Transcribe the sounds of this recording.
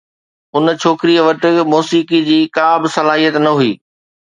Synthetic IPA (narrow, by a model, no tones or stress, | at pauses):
ʊnt͡ɕʰoːkɾijəʋɐʈ̆muːsiːkid͡ʑiːkaːbɪsɐlaːɦijət̪nɐɦuiː